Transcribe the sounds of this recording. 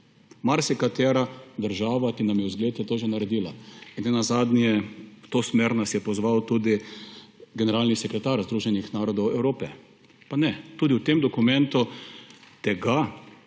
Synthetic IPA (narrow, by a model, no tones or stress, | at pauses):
maɾsjɛkat̪ɛːɾad̪əɾʒaːʋak̪inamjɛwzɡleːt̪ɛt̪oːʒɛnaɾɛd̪iːlainnɛnazad̪njɛwt̪oːsmeːɾnasjɛpɔzʋawt̪uːd̪i | ɡɛnɛɾalnisɛkɾɛt̪aɾzd̪ɾuːʒɛnixnaːɾɔd̪ɔwɛwɾoːpɛ | panɛt̪uːd̪iwt̪emd̪ɔkumɛ̃nt̪u | t̪ɛɡa